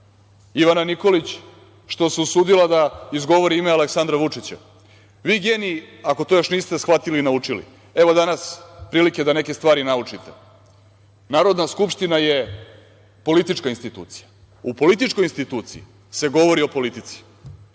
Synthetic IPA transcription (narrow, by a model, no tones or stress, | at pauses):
iʋananiko̞lit͡ɕ | ʃt̪o̞seusuːd̪ilad̪aizɡo̞ʋo̞ɾiimealeksand̪ɾaʋut͡ʂit͡ɕa̰ | ʋiːɡe̞ːniako̞t̪ojo̞ʃniːst̪esxʋat̪ilinaut͡ʂilḭ | e̞ʋo̞d̪anaspɾiːlike̞d̪ane̞ke̞st̪ʋaːɾinaut͡ʂit̪e̞ | naːɾo̞d̪naskupʃt̪inaje̞ | po̞lit̪it͡ʃkainst̪it̪ṵːt̪sija | upo̞lit̪it͡ʃkojinst̪it̪uːt̪sḭi | se̞ɡo̞ʋo̞ɾio̞po̞lit̪it̪si̥